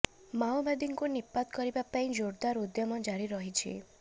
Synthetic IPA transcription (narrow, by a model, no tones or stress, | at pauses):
mawbad̪iŋkunipːat̪kɔɾibapaĩd͡ʒoɾd̪aɾud̪jɔmɔd͡ʒaɽiɾɔɦit͡ʃʰḭ